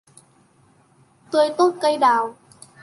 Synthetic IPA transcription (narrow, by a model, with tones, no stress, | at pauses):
t̪ə˧jt̪o˦˥t̚kə˧jɗaː˨˩w